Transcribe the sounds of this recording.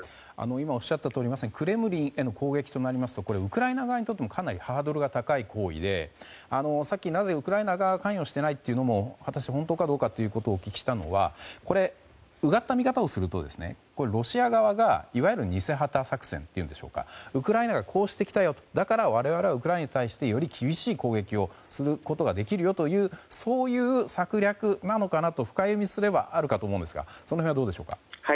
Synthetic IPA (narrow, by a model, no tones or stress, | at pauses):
a̰no̞imao̞ɕːat̪ːat̪oːɾimasẽ̞ŋkɯ̟ɾe̞mɯ̟ɾʲĩɰ̃e̞no̞kʰo̞ːɡe̞kʲi̥t̪o̞naɾʲimasɨ̥t̪o̞ko̞ɾe̞ɯ̟kɯ̟ɾainaɡaβaɲ̟it̪ot̪ːemokʰanaɾʲihaːd̪o̞ɾɯ̟ɡat̪akaikʰo̞ːḭd̪e̞̰ | ano̞sakʲːinaze̞ɯ̟kɯ̟ɾaenaɡakãɰ̃jo̞ɕi̥t̪e̞nait̪ːe̞iɯ̟no̞mo̞βat̪aɕiaɦo̞nt̪o̞ːkad̪o̞ːkat̪ːe̞jɯ̟ko̞t̪o̞ːkʲi̥kʲi̥ɕi̥t̪ano̞̰βa̰ko̞ɾe̞ | ɯ̟ɡat̪ːamʲikat̪ao̞sɨɾɯ̟t̪o̞d̪e̞sɨ̥nḛko̞ɾeɾo̞ɕiaɡaβaɡaiβajɯ̟ɾɯ̟ɲ̟ise̞ɦat̪asakɯ̟̥sẽnt̪ːe̞iɯ̟nd̪e̞ɕo̞̰ːka̰ɯ̟kɯ̟ɾainaɡakʰo̞ːɕi̥t̪e̞kʲi̥t̪ajo̞t̪o̥d̪akaɾaβaɾe̞βaɾe̞βaɯ̟k̬ɯɾainɲat̪aiɕi̥t̪e̞jo̞ɾʲikʲʰibʲiɕiːko̞ːɡe̞kʲio̞sɨɾɯ̟ko̞t̪o̞ɡad̪e̞kʲiɾɯ̟jo̞t̪o̞jɯ̟ːso̞ːjɯ̟ːsakɯ̟ɾʲakɯ̟nano̞kanat̪o̞ɸɯ̟̥kajɯmʲisɨɾe̞ba̰ʔaɾɯ̟kat̪oːmõd̪e̞sɨɡa̰sonoɦẽd̪oːd̪e̞ɕo̞ːka̰ha